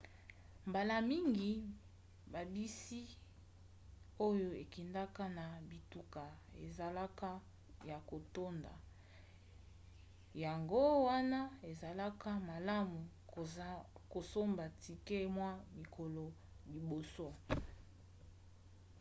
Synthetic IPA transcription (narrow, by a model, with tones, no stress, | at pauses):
mba˨la˨mi˦ŋɡi˨ | ba˨bi˦si˦ | o˦jo˦e˨ki˨nda˦ka˦na˨bi˨tu˨ka˨ḛ˨za˨la˦ka˦ | ja˨ko˨to˦nda̰˨ | ja˨ŋɡo˦wa˦na˦e˨za˨la˦ka˦ma˨la˦mu˨ | ko˨so˦mba˨tʰi˨ke˦mwa˦mi˨kʰo˨lo˨ | li˨bo˨so˦